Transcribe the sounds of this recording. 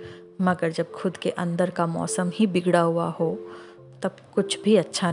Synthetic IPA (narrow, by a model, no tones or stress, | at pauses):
mɐɡəɾd͡ʒɐb̚xʊd̪keʔɐ̃nd̪əɾkamɔ̰ːsəmɦibɪɡɽaɦua̰ɦo | t̪ɐbkʊt͡ʃʰbʱiɐtːʃʰa